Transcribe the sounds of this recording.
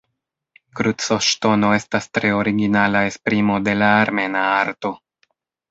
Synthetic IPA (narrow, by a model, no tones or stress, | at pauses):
kɾusoʃto̞no̞e̞stastɾe̞o̞ɾiɡinalae̞spɾimo̞de̞laːɾme̞naaɾto̞